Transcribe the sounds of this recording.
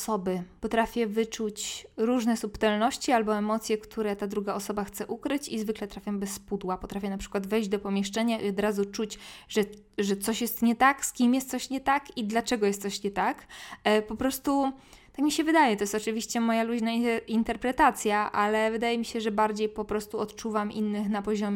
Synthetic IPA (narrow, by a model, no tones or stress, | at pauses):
sɔbɘpɔt̪ɾafʲjɛvɘt͡ʂut͡ɕɾuʐnɛsupt̪ɛlnɔɕt͡ɕialbɔɛmɔt̪sʲjɛkt̪ʰuɾɛt̪ad̪ɾuɡaɔsɔbaxt̪sɛʔukɾɘt͡ɕizvɘklɛt̪ɾafʲjɔmbɛsːpud̪wapɔt̪ɾafʲjɛnapʂɘ̥kwad̪vɛjʑd͡ʑd̪ɔpɔmʲjɛʂt͡ʂɛɲaʔiɔd̪ɾazut͡ʂut͡ɕʐɛ | ʐɛt̪sɔɕjɛst̪ɲɛt̪akskʲimjɛst̪sɔɕɲɛt̪akid̪lat͡ʂɛɡɔjɛst̪sɔɕɲɛt̪akpɔpɾɔst̪u | t̪akmʲiɕɛvɘd̪ajɛt̪ɔjɛst̪ɔt͡ʂɘvʲiɕt͡ɕɛmɔjaluʑnaint̪ɛɾpɾɛt̪at̪sʲjaʔalɛvɘd̪ajɛmʲiɕɛʐɛbaɾd͡ʑejpɔpɾɔst̪uɔt̪t͡ʂuvamʔinːɘxnapɔʑɔmʲ